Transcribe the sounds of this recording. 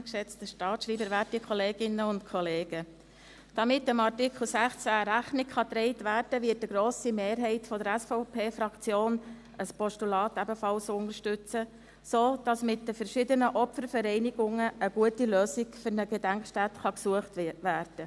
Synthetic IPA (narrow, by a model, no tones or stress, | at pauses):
kʃɛt͡stəʃtɑːtʃɾiːbəɾʋætikʰχɔleːɡɪnːəʊntkʰɔleːɡ̥ə | d̥ɑmɪtəmɑrtɪkʰl̩sæχt͡sæɾæχnɪkχɑt̪ɾɛɪtʋæːrd̥əʋɪːtːəɡɾoːsimeːɾɦɛɪtfɔdəɾæsfɔʊpʰeːfɾɑkt͡sjoːn | əspɔʃtulɑːtæbəfɑlsʊnəɾʃtʏt͡sə | soːd̥ɑsmɪtdəfəɾʃɪdənəʔɔpfəɾfəɾɛɪniɡʊŋəʔəɡuətiløːsɪɡfʏɾnəɡ̥edæŋkʃtætχɑksuəχtʋæːrd̥ə